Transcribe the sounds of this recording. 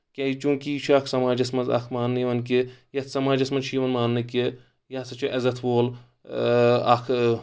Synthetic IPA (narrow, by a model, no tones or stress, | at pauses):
ket͡ʃũːkit͡ʃʰakʰsɐmaːd͡ʒɐsmɐzɐ̰kʰmaːnːiʋɐnkejɐt̪ʰsɐmaːd͡ʒɐsmɐnʃʰiːʋɐnmaːnːɨke | jɐsɐt͡ʃʰiʔɐzɐt̪ʰʋoːl | akʰ